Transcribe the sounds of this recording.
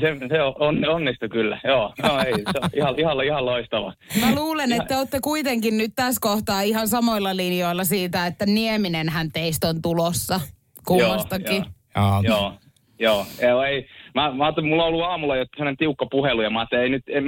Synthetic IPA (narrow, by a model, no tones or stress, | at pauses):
seseoonːonːist̪ukylːæ̰joːjoːeiseihɑihɑlihɑloist̪ɑʋɑ̰mæluːlenet̪ːæot̪ːekuit̪eŋkinnyt̪t̪æskoht̪ɑːihɑnsɑmoilːɑlinjoilːɑsiːt̪æet̪ːænieminenhænt̪eist̪ont̪ulosːɑ | kuoːɑsɑki | joː | joːjɑoeimæmæɑːt̪ːelmulːõolːuɑːmulːɑjot̪ːsemonent̪iukːɑpuhelujɑmɑːt̪ːæeinyt̪em